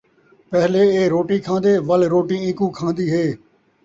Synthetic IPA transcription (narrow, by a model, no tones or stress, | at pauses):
pɛɦleːeːɾoːʈiːkʰãːnd̪eːʋəlɾoːʈĩːɪ̃kũːkʰãːnd̪iːɦeː